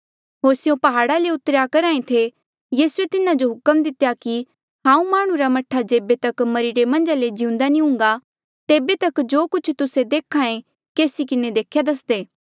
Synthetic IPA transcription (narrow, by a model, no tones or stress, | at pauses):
ɦoːɾsɪjõpɐɦaːɽaleʊt̪ɾjakɐɾãːẽt̪ʰe | jiːsuet̪ɪnãd͡ʒoɦʊkəmd̪ɪt̪jaki | ɦãːũmaːɽ̃ũɾamɐʈʰːad͡ʒeːbet̪ɐkmɐɾiɾemɐ̃nd͡ʒaled͡ʒɪũnd̪anĩɦʊ̃ŋ̆ɡa | t̪eːbet̪ɐkd͡ʒoːkʊt͡ʃʰt̪ʊsed̪eːkʰãːẽ | keːsikɪned̪eːkʰːjad̪ɐs̬d̪eː